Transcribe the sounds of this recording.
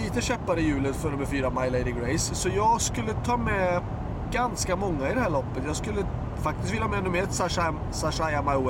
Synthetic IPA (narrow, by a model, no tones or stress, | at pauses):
iːt̪əɕɛpːaɾəjʉ̟ːlət̪fœɳɵmːəɾfyːɾamajleɪd̪ɪɡɾejssɔjɑːɡskɵlːət̪ʰɑːmɛ | ɡanskamɔŋːaɪd̪ɛhæːɭɔpːət̪jɑːɡskɵlːə | fak̚t̪ɪst̪vɪlːaɑmɛnɵməɾɛt̪ːsaʂa | saʂajamawɛ